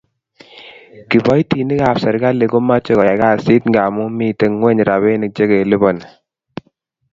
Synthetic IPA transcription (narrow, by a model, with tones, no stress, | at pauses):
ki˨bɔ˦jti˨ni˦ka˨psɛ˨ɾɡa˦le˨ko˦ma˦t͡ʃe˦kɔ˨ja˨ka˦˨si˦tŋɡa˨mu˦mi˦˨te˨˦ŋwɛ˦ɲɾa˨be˦nɪ˨k̚t͡ʃe˦ɡe˨li˦bɔ˨n˨